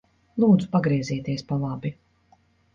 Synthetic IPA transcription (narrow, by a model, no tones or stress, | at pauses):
lˠuːd̪zu̥paɡɾiɛziːt̪iɛspalˠabi